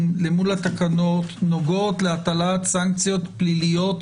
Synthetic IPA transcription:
nlemulat̪akano̞t̪no̞ɡoot̪leat̪alat̪saŋk̚t͡sijo̞t̪plilijo̞t̪

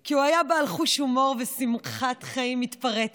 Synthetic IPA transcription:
kiuajabaalχuʃumo̞ʁvesimχat̪χaimitpaʁet

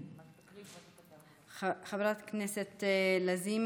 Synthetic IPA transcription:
xavɾat̪kneset̪lazim

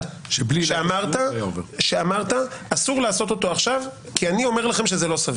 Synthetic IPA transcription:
ʃliʃeamaʁt̪aʃeamaʁt̪aːsuʁlaːso̞t̪o̞t̪oaχʃav | kianio̞me̞ʁlaχe̞mʃe̞zelo̞sav

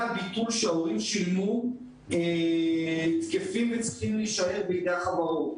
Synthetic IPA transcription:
bit̪ulʃeaoʁimʃilmu | e | t̪kefimvet͡sʁi̥χimliʃaeʁbeid̪eaχavaʁo

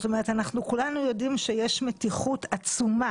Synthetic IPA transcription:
t̪omeʁet̪anaχnukulanujo̞dimʃejeʃmetiχutat͡suma

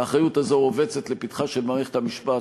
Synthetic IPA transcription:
aːχajutazo̞ove̞t͡set̪le̞pit̪χaʃelmaːʁeχet̪hamiʃpa

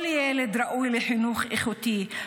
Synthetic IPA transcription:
ljɛːlɪd̪ɾˤɑʔuːjlɪħɪnuːxʔexʊt̪iː

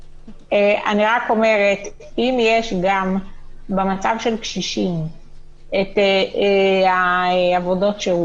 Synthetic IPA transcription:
eʔa̰niʁako̞me̞ʁet | imjeʃɡambemat͡savʃe̞lkʃiʃim | ete | aavo̞do̞tʃeu

